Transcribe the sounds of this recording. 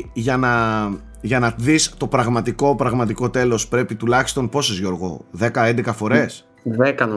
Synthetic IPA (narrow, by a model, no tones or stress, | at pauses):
ʝɐnɐ | ʝɐnɐt̪iðist̪o̞pɾɐɣmɐt̪iko̞pɾɐɣmɐt̪iko̞t̪e̞lo̞spɾe̞pit̪ulɐçi̥st̪o̞npo̞sozʝo̞ɾɣo̞̰ðe̞kɐend̪ekɐfo̞ɾe̞s | ðekɐn